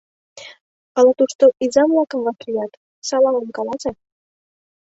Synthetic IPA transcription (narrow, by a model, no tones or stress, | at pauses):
ɑlɑt̪uʃt̪oʔizɑmlɑkə̆mvɑkijɑt̪ | sɑlɑəmkɑlɑzɑ